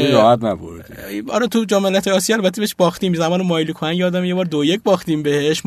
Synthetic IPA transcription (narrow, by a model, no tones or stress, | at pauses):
ɾɔːhæt̪næbo̰ɾd̪ihɒːɾɛt̪ʰud͡ʒɒːmelæt̪ʰeɒːsijɔæːlbæt̪ʰːebeheʃbɒːxt̪iːmzæmɒːnemɒːjlikʰonænjɛːd̪æmjebɒːɾd̪ojecbɒːxt̪iːmbeheʃ